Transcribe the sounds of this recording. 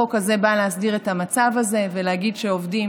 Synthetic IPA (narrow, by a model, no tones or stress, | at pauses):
okaze̞baleɦasdiʁet̪amat͡savaze̞velehaɡidʃeovdim